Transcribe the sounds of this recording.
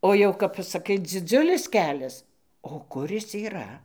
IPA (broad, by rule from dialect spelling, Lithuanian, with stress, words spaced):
oː ˈjɛʊ kɐp pɐsɐˈkɐɪ d͡zʲɪˈd͡zʲʊlʲɪs ˈkʲæːlʲɛs oː ˈkʊr ˈɪs iːˈrɐ